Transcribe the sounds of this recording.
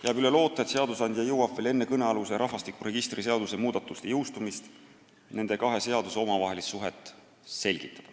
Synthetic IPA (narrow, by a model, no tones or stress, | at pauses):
jæɑːbyle̞lo̞ːt̪ːˑet̪se̞ɑd̪̥usɑnʲd̪̥ʲjɑjuwɑfːele̞nːe̞kɤne̞ɑluseɾʔɑɦvɑst̪ikuɾe̞ɡ̥ist̪rise̞ɑd̪̥usemuːd̪ɑt̪ːˑust̪ejɤwst̪umist̪ | ne̞nd̪e̞kɑɦe̞se̞ɑd̪̥uso̞mɑvɑɦe̞lissuɦet̪ːˑ | se̞lʲɡ̥it̪ːˑɑ̥d̪̥